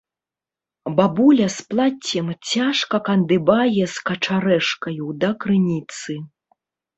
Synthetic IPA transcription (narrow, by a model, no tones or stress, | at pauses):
babulʲɐsplˠat͡sʲːɛmt͡sʲaʂkɐkɐnd̪ɨbajɛskɐt͡ʂaɾɛʂkɐjud̪ɐkɾɨnʲit̪sɨ